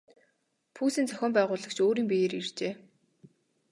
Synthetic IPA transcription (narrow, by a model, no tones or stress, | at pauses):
pʰuːsiːnt͡sʰœxʲɔːmpæːʁʊːɮə̆kt͡ɕʰoːɾiːmpijeːɾirt͡ɕeː